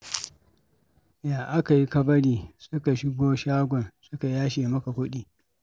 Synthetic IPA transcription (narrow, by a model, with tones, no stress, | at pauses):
jaː˨ʔa˦ka˨ji˦kɐ˦bɐ˦ɽiː˨sʊ˦ka˨ʃɪ˦ɡʷoː˦ʃaː˦ɡʷɔ˨nsʊ˦ka˨jaː˦ʃeː˨mɐ˦ka˨kʷʊ˦ɗiː˨